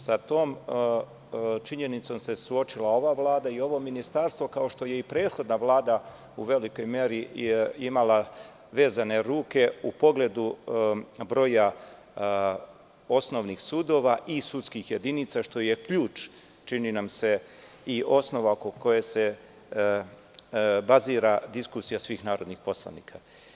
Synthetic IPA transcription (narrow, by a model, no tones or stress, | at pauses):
sat̪o̞ːm | t͡ʃiɲe̞nit̪so̞mse̞suo̞t͡ʃilˠao̞ʋaʋlaːd̪aio̞ʋo̞minist̪aɾst̪ʋo̞kao̞ʃt̪o̞je̞ipɾe̞ːd̪xo̞d̪naʋlˠaːd̪a | uʋe̞liko̞jme̞ɾiimala | ʋe̞ːzane̞ɾuːke̞upo̞ɡle̞d̪u | bɾo̞ːja | o̞sno̞ʋnixsud̪o̞ːʋaʔisut̪skixje̞d̪init̪saʃt̪o̞je̞kʎuːt͡ʃ | t͡ʃininamse̞ | iʔo̞sno̞ʋaokoko̞jese̞ | baziːɾad̪iskusijasʋiːxnaːɾo̞d̪nixpo̞slˠa̰niːkʰa